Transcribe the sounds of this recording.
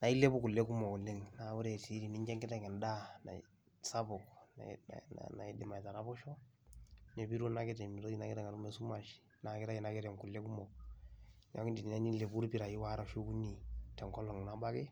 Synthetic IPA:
na˨˦i˦le˦bu˦ku˨lːe˦ku˦mɔ˨ku˨lːe˦ŋna˨˦wu˦ɾɛ˨ti˦ɾi˨ni˦ɲd͡ʒɛ˦ŋkɪ˦tɛ˨ŋɛ˨nda˦na̰˨ | sa˦bɔ˨kn̰n̰na̰˨i˦dɪ˨ma˨ta˨ɾa˦bɔ˦ʃɔ˦ | ɲɛ˨bi˦ɾu˦na˦kɪ˦tɛ˨mi˨ɾo˦i˦na˦kɪ˦tɛ˨ŋa˨ɾu˦mɛ˦su˦ma˨ʃ | na˨kɪ˦ta˦i˨na˦kɪ˦ɾɛ˨ŋku˨lːe˦ku˦mɔ˨k | ɲa˦ki˦ndi˨ni˨na˦ni˦le˨bu˦ɾpi˦ɾa˨ji˦wa˦ɾa˨ʃu˦ku˦ni˨tɛ˨ŋkɔ˦lɔ˨ŋ˨na˦ba˦kɛ˦

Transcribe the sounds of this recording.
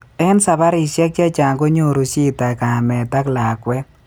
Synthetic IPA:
ɛ˦nsa˨ba˦ɾi˨ʃja˦kt͡ʃja˦t͡ʃa˨ŋɡo˦ɲo˦˨ɾo˨t͡ʃi˦ta˨ka˨a˨mɛ˨ta˦kla˨kwɛ˦

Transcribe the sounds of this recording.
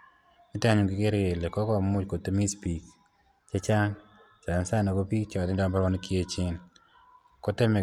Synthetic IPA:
ɪ˦ta˦ɲʊ˨ɡɪ˨ke˦ɾe˨le˨kɔ˦kɔ˦mʊ˦t͡ʃko˨te˦mi˦spi˨k | t͡ʃe˦t͡ʃa˦ŋ | t͡ʃa˨a˨nsa˦nɔ˨ɡo˦pi˦kt͡ʃɔ˨ddɔ˦mba˦ɾɔ˦n˦kje˦t͡ʃɪ˦n | ko˦te˦mɛ˨

